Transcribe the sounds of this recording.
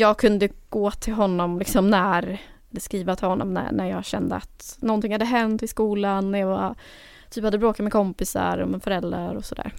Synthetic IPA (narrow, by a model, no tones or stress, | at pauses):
jɑːɡ̚kʰɵnd̪əɡ̥oːt̪ʰɪlɦɔnːɔmlɪksɔmnæɾ | ɛlːəskɾiːvat̪ʰɪlhɔnːɔ̰mnæ̰næɾjɑːɡɕɛnd̪ə̰a̰t̪nɔnt̪ɪŋhad̪ːəɦɛnt̪ɪskuːlanːæɾjɑva | t̪ʰyːphad̪ːəbɾoːkat̪mɛkʰɔmpɪsa̰ɾɔ̰mɪnfœɾɛld̪ɾaɾɔsɔd̪æ̰ːɾ